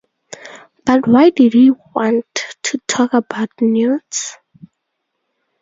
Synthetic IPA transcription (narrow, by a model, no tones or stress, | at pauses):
b̥atwajdidhiwɔ̃ntʰːutʰɔkəbaʊtnjuds